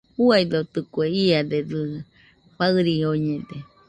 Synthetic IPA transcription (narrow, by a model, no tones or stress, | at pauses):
huajd̪ot̪ɨkweiad̪eɾɨ | ɸaɨɾioɲed̪e